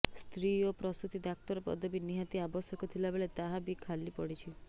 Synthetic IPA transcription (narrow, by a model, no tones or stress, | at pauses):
st̪ɾiopɾɔst̪ut̪id̪ak̚t̪ɔɾɔpɔ̰d̪ʱɔbiniɦat̪iabɔsjɔkɔt̪ʰilabeɭet̪aɦabikʰalipɔɽit͡ʃʰi